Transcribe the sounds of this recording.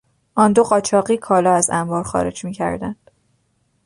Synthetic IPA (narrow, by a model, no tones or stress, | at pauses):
ʔɒːnd̪oɢɒːt͡ʃʰɒːɢiːkʰɒːlɒːæzæmbɒːɾxɒ̰ːɾe̞̰d͡ʒmiːcʰæ̰ɾd̪æ̰nd̪̥